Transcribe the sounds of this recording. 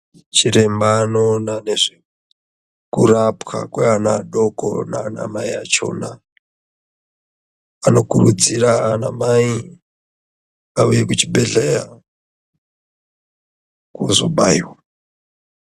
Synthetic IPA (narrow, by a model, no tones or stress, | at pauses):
t͡ʃiɾe̞mbaːno̞nane̞ʐe | kurapxa̰kweanaɗo̞ko̰na̰ːna̰maiat͡ʃo̞ːna | ano̞kurud͡ziɾaːnamai | aujekut͡ʃibʱe̞ɮeja | kozoɓaiwa